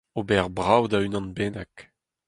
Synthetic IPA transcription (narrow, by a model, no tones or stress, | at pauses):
obɛʁbʁawd̪aynɑ̃nbɛːnak